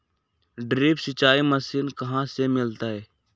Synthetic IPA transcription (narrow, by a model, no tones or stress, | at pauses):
ɖɾiːpsɪt͡ʃaːiməsiːnkɐɦãsemɪlt̪aɦɛː